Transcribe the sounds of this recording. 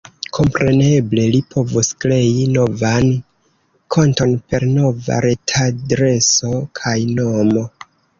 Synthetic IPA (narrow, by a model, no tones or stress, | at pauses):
kʰo̞mpɾe̞ne̞ble̞lipʰo̞vuskle̞jino̞van | kʰonto̞npe̞ɾno̞va̰ɾe̞tʰadɾe̞so̞kʰajno̞mo̞